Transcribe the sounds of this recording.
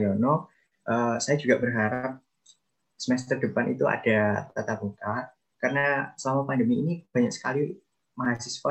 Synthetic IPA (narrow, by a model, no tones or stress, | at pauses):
jɔnɔ | ʔəsajad͡ʒuɡaʔbərɦaɾap̚ | səmɛs̬t̪ərdəpanʔḭt̪ua̰d̥at̪at̪aput̪ar | karənasəlamapandəmiːnib̥a̤ɲak̚sə̥kali | maɦasiswa